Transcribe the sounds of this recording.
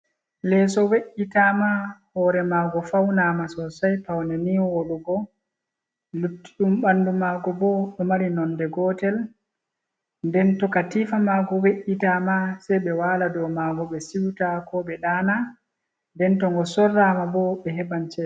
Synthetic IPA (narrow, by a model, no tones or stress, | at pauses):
lɛsɔweʔːitamahɔɾɛmaːɡɔfawnamasɔsajpawnɛniwoɗuɡɔ | lutːi̥ɗumɓandumaɡɔbɔɓɛmaɾinɔndɛɡɔtɛl | ndɛntɔkatifamaɡɔweʔitamasɛjɓɛwaːladɔmaɡɔɓɛsiwtakɔɓɛɗaːna | ndɛntɔŋɡɔsɔrːamabɔɓɛɦɛbant͡ʃɛ